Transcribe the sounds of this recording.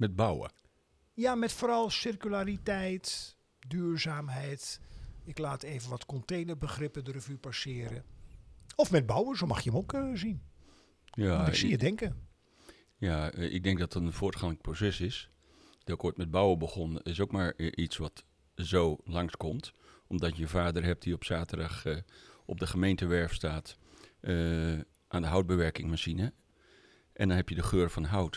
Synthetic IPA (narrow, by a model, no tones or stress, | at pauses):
mɛd̚bawə̰ | jamɛtfoːɾɑlˠsɪrkylaːɾitɛjt | dyːɹzaːmɦɛjtɪklaːteːvənʋɔtkɔntejnərbəχrɪpədərəvypasɪːəɾə | ɔfmɛd̚bawəzomɑ̰χjəəmokzin | jaijədɛŋkə | jaʔɪ̰ɡ̚dɛŋk̚dɔtətənfoːtχanɪk̚prosɛsɪs | d̥ɔɪkoːjtmɛd̚bawəbəχɔnɪsokmaɹʔisʋɔt | zoːlɑŋskɔmtʔɔmdɔtjəjəfaːdərɦɛp̚tdiɔpsaːtədax | ɔb̚dəχəmejntəʋɛɹfstaːt | ʔaːndəɦɔwd̚bəʋɛrkɪŋmaʃinə | ʔɛ̰ndɔnɦɛpjədəχøːrfɔnɦɔwt